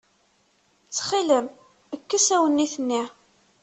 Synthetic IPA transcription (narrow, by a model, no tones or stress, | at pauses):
t͡sːχiləm | əkːəsæwənːiθənːi